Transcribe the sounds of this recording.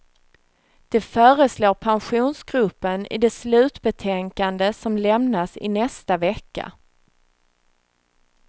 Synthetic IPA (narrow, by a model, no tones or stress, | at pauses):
d̪̥ɛfœːɾəsloːpʰanɧuːnsɡɾɵpːənɪ̰d̪ɛslʉ̟ːt̪bɛt̪ʰɛŋkand̪əsɔmlɛmnasɪ̰nɛst̪avɛkːa̰